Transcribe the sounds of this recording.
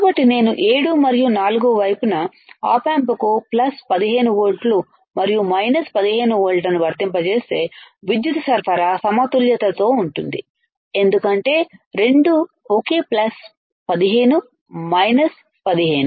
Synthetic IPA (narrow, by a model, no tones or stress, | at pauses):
kaːbɐʈːine̞ːnuʔe̞ːɽumɐɾijunaːluɡuʋɐjpunɐ | a̰ːpaːmpɐkuplɐspɐd̪iɦe̞ːnuʋoːɾʈlu | mɐɾijumɐjnɐspɐd̪iɦe̞ːnuʋoːɭʈɐnuʋɐɾt̪impɐt͡ʃe̞ːst̪e̞ːʋid̪jut̪ɐsɐɾpʰɐɾasɐmaːt̪uljɐt̪ɐt̪o̞ːuɳʈund̪i | e̞nd̪ukɐɳʈe̞ːɾe̞ɳɖu | oke̞ːplɐs | pɐd̪iɦe̞ːnu | mɐjnɐs | pɐd̪iɦe̞ːnu